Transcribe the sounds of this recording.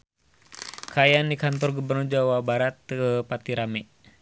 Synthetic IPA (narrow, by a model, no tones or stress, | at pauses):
kajandikant̪̬ɔrɡubərnurd͡ʒawabaɾat̪̚ːəpat̪iɾamɛ